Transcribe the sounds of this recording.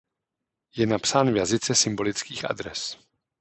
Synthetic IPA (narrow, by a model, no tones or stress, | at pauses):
jɛnapsaːnvjazɪt͡sɛsɪmbo̞lɪt͡skiːxʔa̰dɾɛs